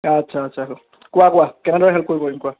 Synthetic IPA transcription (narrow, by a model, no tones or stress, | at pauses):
atːsʰaːtsʰako | kʊwakʊwakɛnɛdɔɹɛɦɛlp̚koɹibɔimkʊa